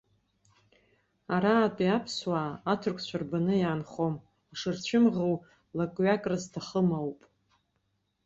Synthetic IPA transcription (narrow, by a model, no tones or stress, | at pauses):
aɾaːpʼiapʰswaːtʰʊrkʷʰt͡ɕʷʰarbanɨjaːnχom | aʂɨrt͡ɕʷʰɪmʁow | lakʼɥakʼrɨztʰaχəmawpʼ